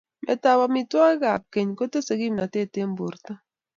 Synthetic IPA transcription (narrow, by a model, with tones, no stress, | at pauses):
mʔɛ̰˨ta˦wa˦mi˦twa˦ɡa˨p̚ke˨ɲko˦to˦se˨ɡi˦mna˨te˦˨te˦m˦bo˨ɾta˦